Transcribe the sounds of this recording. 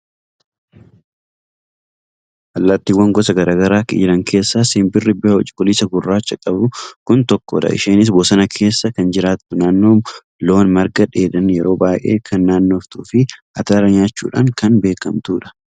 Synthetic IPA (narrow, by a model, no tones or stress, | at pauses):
ʔɐlːɐt̪ːɪwːɐŋɡɔsɐɡɐɾaːɡɐɾaːkɪ̰d͡ʒɪɾɐŋkʰe̞ːsːasiːmbɪrːɪbɪɔt͡ʃʼɪ̥kʼʊlisɐɡʊrːaːt͡ʃːɐkʼɐbʊkʊnt̪ɔkːɔ̰ᶑɐ̰ʔɪ̰ʃeːnɪs̬boːsɐnɐkʰe̞ːsːɐkɐnd͡ʒɪɾaːt̪ːʊnaːnːo̞ː | lo̞ːnmɐɾɡɐᶑeːᶑɐnjɛɾo̞ːbaːjʔe̞̰ːkʰɐnːaːnːo̞ːft̪ṵːfɪʔɐt̪aːɾɐɲaːt͡ʃːṵːᶑa̰ːŋkɐnbe̞ːkɐmt̪uːᶑɐ̥